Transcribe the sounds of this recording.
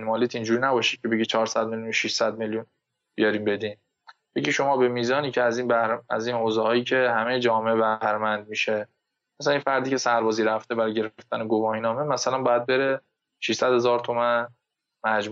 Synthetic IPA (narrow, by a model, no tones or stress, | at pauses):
nmɒːliːt̪ʰind͡ʒuːɾiːnæbɒːʃiːd̪̚cʰe̞beɟit͡ʃʰɒːɾsæd̪̚meljunʃiʃsæd̪̚meljun | b̥ijɒɾiːmbe̞d̪iːn | beɟiʃo̞mɒːbe̞miːzɒːniːcʰeæziːnbæhɾæ̰ziːnhoːzɛhɒːjiːcʰe̞hæmejed͡ʒɒːmeʔebæhɾemænd̪̚miːʃe | mæsælæninfæɾd̪iːcʰe̞sæɾbɒːziːɾæft̪ebæɾɒjɟe̞ɾeft̪æneɡovɒːhinɒːmemæsælænbɒːjæd̪̚be̞ɾe | ʃiʃsæd̪̥he̞zɒːɾt̪ʰo̞mæn | mæd͡ʒm